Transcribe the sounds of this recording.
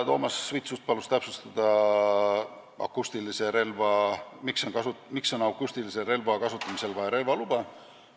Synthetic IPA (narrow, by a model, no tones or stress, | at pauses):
t̪o̞ːmɑsːvit̪sust̪̚pɑlust̪æpsust̪ɑd̪̥ɑ | ɑ̰kːˑust̪ilise̞ɾe̞lvɑmikso̞nkɑsumikso̞nɑwkːˑust̪ilise̞ɾe̞lvɑkɑsut̪ːˑɑmise̞lvɑjeɾe̞lvɑlub̥ɑ